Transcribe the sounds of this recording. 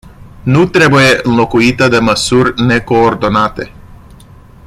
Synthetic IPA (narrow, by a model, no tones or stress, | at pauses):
nut̪ɾe̞buje̞ɨnlo̞kuit̪əd̪e̞məsurʲne̞ko̞ːrd̪o̞nat̪e̞